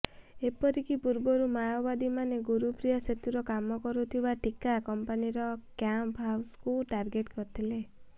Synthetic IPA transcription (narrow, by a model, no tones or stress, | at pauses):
epɔɾikipuɾbɔɾumajɔbad̪imaneɡuɾupɾijaset̪uɾɔkamɔkɔɾut̪ʰibaʈikakɔmpaniɾɔkjampɦawskuʈaɾɡeʈkɔɾt̪ʰile